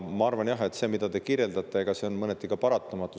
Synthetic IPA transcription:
mɑɑɾvɑnjɑɦe̞t̪ːse̞ːmid̪̥ɑt̪e̞kiɾje̞ld̪ɑt̪ˑːe̞eɡ̥ɑse̞o̞nmɤnet̪ːˑikɑpɑɾɑt̪ːˑɑmɑt̪ːˑu

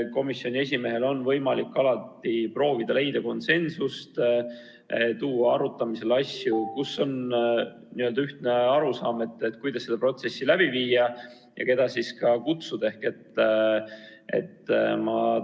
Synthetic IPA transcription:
ko̞misːjo̞nʲies̬ʲime̞ɦe̞lo̞nvɤ̞jmɑlikːɑlɑt̪ːipro̞ːvid̪̥ɑle̞jd̪̥ɑko̞nse̞nsust̪ | t̪uːɑɑɾut̪ːˑɑmise̞lɑsʲjukusːo̞n | niø̞ld̪ɑyht̪ne̞ɑɾusɑːme̞t̪ːˑet̪ːˑkujd̪̥ɑsːe̞d̪ɑpro̞t̪se̞sːilæb̥iviːjɑ | jɑ̰ke̞d̪̥ɑsiskɑkut̪sud̪̥e̞hke̞t̪ː | e̞̰t̪ːmɑ

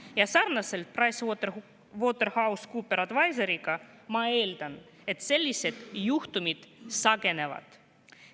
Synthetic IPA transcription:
jɑsɑrnɑse̞lt̪̚prɑjst̪ | voːt̪ːe̞rhɑwskupːe̞ɾɑd̪vɑjseɾiɡ̥ɑ | mɑe̞ːld̪̥ɑn | e̞t̪se̞lʲːise̞d̪̥juht̪umid̪̥sɑɡe̞ne̞vɑ̰d̪̥

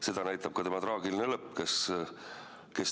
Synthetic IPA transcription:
se̞d̪ɑnæjt̪ːˑɑb̥̚kɑt̪e̞mɑt̪ɾɑːɡilinelɤpˑːkes | ke̞s

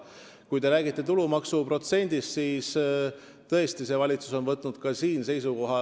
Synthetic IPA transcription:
kujt̪e̞ɾæːɡit̪ˑːe̞t̪ulumɑksupro̞t̪se̞nʲd̪̥ist̪siːs | t̪ɤ̞e̞st̪ise̞vɑlʲit̪su̥so̞nvɤt̪ːˑnud̪̥kɑsiːnse̞jsuko̞ɦɑ

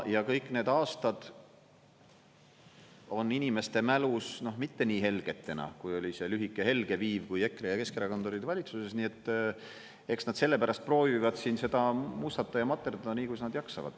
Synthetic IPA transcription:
jɑkɤjkːˑne̞ːd̪ɑːst̪ɑd̪̥ | o̞nːinime̞st̪e̞mælusno̞hmit̪ːe̞niːɦe̞lɡ̥e̞t̪ːe̞nɑ̰kujo̞lʲise̞lyɦikːˑe̞ɦe̞lɡe̞viːvkuje̞kːˑrejɑke̞skeɾɑkont̪oɾid̪vɑlʲit̪suse̞snie̞t̪ː | e̞ksnɑd̪̥se̞lːe̞pæɾɑst̪̚pro̞ːvivɑd̪̥siːnse̞d̪̥ɑmust̪ɑt̪ːˑɑjɑmɑt̪ːˑerd̪ɑniːkujsnɑd̪̥jɑksɑ̰vɑ̰d̪̥

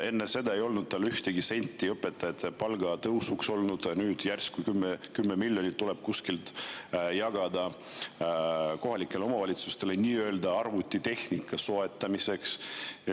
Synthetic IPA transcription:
e̞nːese̞d̪ɑe̞jo̞lnud̪̚t̪ɑlyht̪eɡise̞nʲt̪ʲːˑiɤpːˑe̞t̪ːˑɑet̪ˑːpɑlɡ̥ɑt̪ɤwsukso̞lnud̪̥nyːd̪̥jærskujkymːekymːemilʲjo̞nʲit̪t̪ːule̞b̥̚kuskilt̪jɑɡ̥ɑd̪ɑ | ko̞ɦɑlikˑːe̞leo̞mɑvɑlʲit̪su̥st̪e̞le̞niːø̞eld̪ɑɑrvut̪ʲˑːit̪e̞hnikʰːˑɑso̞e̞t̪ːˑɑmise̞ks

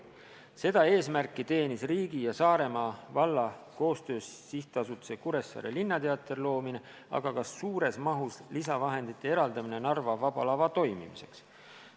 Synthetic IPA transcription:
se̞d̪ɑe̞ːsmærkːˑit̪e̞ːnisriːɡijɑsɑːɾe̞mɑvɑlːɑko̞ːst̪ø̞ːssiht̪eɑsut̪ːˑusekuɾe̞sːɑ̰ːɾelinːɑt̪e̞ɑt̪ːˑe̞rlo̞ːmine̞ | ɑ̰ɡ̥ɑkɑsːuːɾe̞smɑɦuslisɑvɑɦe̞nd̪it̪ːˑe̞e̞ɾɑld̪ɑmine̞nɑrvɑvɑb̥ɑlɑvɑt̪o̞jmḭmise̞̰ks

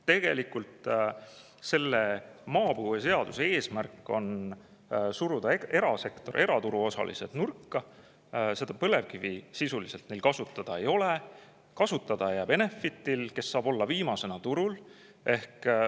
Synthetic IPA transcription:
t̪e̞ɡ̥e̞likult̪ | se̞lːemɑːpɯhujɑse̞ɑd̪̥usee̞ːsmærkːˑo̞̰n | suɾud̪̥ɑee̞ɾɑse̞kt̪o̞ɾʔe̞ɾɑt̪uɾuo̞sɑ̰lḭsed̪̥nurkːɑ | se̞d̪̥ɑpɤ̞le̞vkivisisulise̞lt̪ne̞jlkɑsut̪ːˑɑd̪̥ɑe̞jo̞le | kɑsut̪ːˑɑd̪̥ɑejæːbene̞fːit̪ːˑilke̞sːɑːb̥o̞lːɑviːmɑse̞nɑt̪uɾul | ʔe̞hk

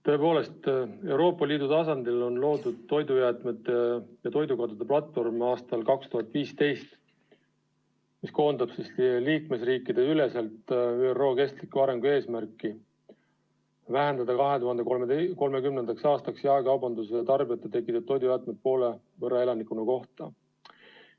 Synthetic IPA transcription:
t̪ɤ̞e̞po̞ːle̞st̪e̞wɾo̞ːpːˑɑliːd̪̥ut̪ɑsɑnd̪̥ilo̞nlo̞ːd̪ud̪̥̚t̪o̞jd̪ujæːt̪ˑmet̪ːˑejɑt̪o̞jd̪ukɑd̪ud̪̥eplɑt̪ːˑfo̞rmɑːst̪ɑlkɑkst̪uɦɑt̪ːˑviːst̪e̞jst̪ | misko̞ːnd̪̥ɑb̥sisliːkme̞sriːkːˑid̪̥e̞yle̞selt̪yːero̞ːke̞st̪likːuɑɾe̞ŋɡ̥ue̞ːsmæɾkːˑi | væɦend̪ɑd̪ɑkɑɦe̞t̪uhɑnd̪eko̞lme̞kymne̞nd̪̥ɑksɑːst̪ɑksjɑekɑwbɑnd̪usejɑt̪ɑrbijɑt̪ːˑet̪e̞kːˑit̪ːˑud̪̚t̪ːo̞jd̪ujæːt̪met̪̚po̞ːle̞ | vɤɾːɑe̞lɑnikˑunɑko̞ht̪ɑ̰

